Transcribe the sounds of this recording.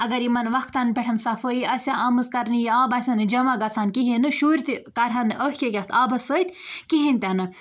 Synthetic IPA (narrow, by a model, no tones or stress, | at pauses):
ɐɡɐɾimɐnʋɐkʰt̪ɐnpʲeʈʰɐnsɐfəiɐsʲaʔɐmɨzkɐɾnijiaːbasʲɐnɨd͡ʒɐmaɡɐt͡sʰaːnkiɦinɨʃuːɾʲt̪ikɐɾɦɐnɨʔəɦkʲekʲɐht̪ʰaːbɐsəit̪kiɦinʲt̪ʲanɨ